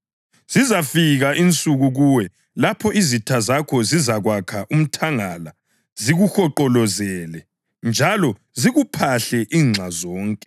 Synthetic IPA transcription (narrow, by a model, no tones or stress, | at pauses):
z̥izafiɣaʔint͡sʼuɣuɣuwɛ | lapʰɔʔizitʰazakʰɔzizaɣwakʰaʔum̩tʰaŋala | ziɣuxɔǃɔlɔzɛlɛ | nd͡ʒʱalɔ | ziɣupʰaɬɛʔiːŋ͡ǁʱazɔːŋkʼɛ̥